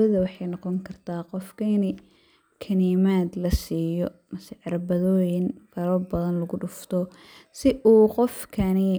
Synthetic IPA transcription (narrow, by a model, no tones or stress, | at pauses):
ɐðɐwɑħɑjnɑqɔŋkʰɐrt̪ʰaːqɔfkʰɐɪnɪ | kʰɐniːmaːd̪lɐsiːjɔmɐsɪʕɪɾbɐðɔːjɪnfʰɐɾɔbɐðɐnlɐɣʊɖʊft̪ʰɔsɪʔuːqɔfkʰɐnɪ